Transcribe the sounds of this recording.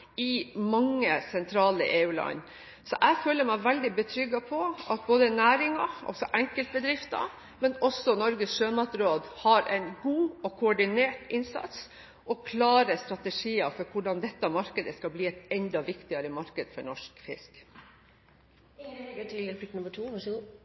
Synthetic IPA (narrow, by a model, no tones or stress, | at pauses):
ɪmɑŋːəsɛnt̪ʰɾɑːlə̰ʔeːʉːlɑ̰n | sɔʔæɡføːləmæɪʋæld̪ɪbət̪ʰɾʏɡːɑpʰɔʔɑt̪̚boːd̪ənæːɾɪŋɑ̰lsɔʔɛŋkəlt̪̚bəd̪ɾɪft̪ɑ̰ | mɛnɔsːɔnɔɾɡəsʂøːmɑt̪ɾoːd̪hɑɾɛ̰ɪnɡuːɔkʰʊɔɖɪneːʈɪnsɑ̰t̪s | ʔɔkʰlɑːɾəst̪ɾɑt̪əʂiːəfɔɾkʰʊɖɑnd̪ɛt̪ːəmɑɾkəd̪əskɑlbliːɛt̪ɛnd̪ɑʋɪkt̪ɪɑɾəmɑɾkəd̪fɔɳɔʂkfɪ̰sk | əd̪ʰilpʰɪknɔmətʰosið